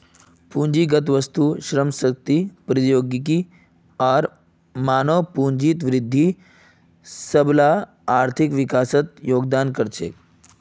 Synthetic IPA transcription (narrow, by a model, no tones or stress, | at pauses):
puːnd͡ʒiɡət̪ʋəst̪uʃɾəmsək̚t̪ipɾijoːɡiki | aːɾ | maːnəʋpuɲd͡ʒit̪ʋɾɪd̪ʱːi | səbla | aːɾt̪ʰikʋikaːsət̪joːɡd̪aːnkəɾt͡ʃʰḛː